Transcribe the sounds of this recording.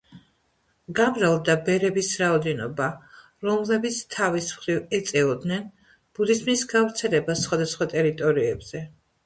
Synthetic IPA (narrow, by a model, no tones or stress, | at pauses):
ɡamɾalˠd̪abɛɾɛbisɾaɔd̪ɛnɔba | ɾɔmlɛbit̪sʰt̪ʰavismχɾivɛt̪sʼɛɔd̪nɛn | b̥ud̪izmnisɡavɾt̪sʰɛlɛbasːχwad̪asχwat̪ʼɛɾit̪ʼɔɾiɛbz̥ɛ